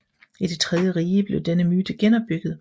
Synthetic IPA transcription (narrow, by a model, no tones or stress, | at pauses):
id̥e̝t͡sʰʁɛðˠjəʁiːəb̥le̝ʊd̥enəmyːd̥əɡ̥enɒ̽b̥̚ːyɡ̥ð̞̩ˠ